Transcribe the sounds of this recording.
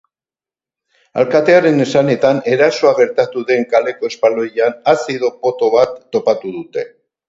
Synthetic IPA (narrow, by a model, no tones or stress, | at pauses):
a̰lkat̪e̞aɾe̞ne̞sane̞t̪ane̞ɾaso̞aɣe̞ɾt̪at̪uðe̞ŋkale̞ko̞e̞spalo̞janasiðo̞po̞t̪o̞βat̪ːo̞pat̪uðut̪e̞